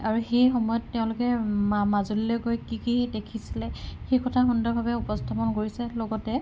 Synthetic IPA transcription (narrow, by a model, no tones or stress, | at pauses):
aɹuxejxɔmɔjɔtːɛʊ̃lʊkɛmazulilɔkojkikidekʰisilɛxejkɔtʰaxundɔɹbʱabɛupɔstʰapɔnkoɹisɛlɔɡɔtɛ